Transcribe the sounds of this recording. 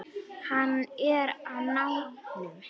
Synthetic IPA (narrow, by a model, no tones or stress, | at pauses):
hanɛɾanaw